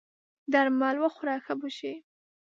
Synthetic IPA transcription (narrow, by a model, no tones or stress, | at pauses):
d̪aɾmːɑlwaxʊɾɑxabuʃi